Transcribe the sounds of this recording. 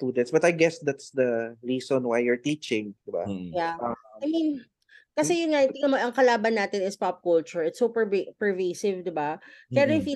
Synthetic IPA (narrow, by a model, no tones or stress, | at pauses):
t̪uːd̪ɛnt̪sbɐt̪ajɡɛsd̪at̪sd̪ɐɹiːsɔnwajːʊɹt̪iːt͡ʃɪ̃ŋd̪ɪba̰jaajmin | kɐsɛjʊnŋaʔɪt̪ɪŋɐnmoʔɐŋkɐlaːbɐnːaːt̪ɪnɪspap̚kʊlt͡ʃʊɹʔɪt̪sopɛpɛɹvejsɪvd̪ɪbapɛɾoɪfiː